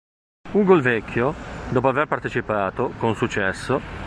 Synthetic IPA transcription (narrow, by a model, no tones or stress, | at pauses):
uɡolvɛkʰʲːjod̪ɔːpoaverpart̪et͡ʃipaːt̪okonsut͡ʃːɛsːo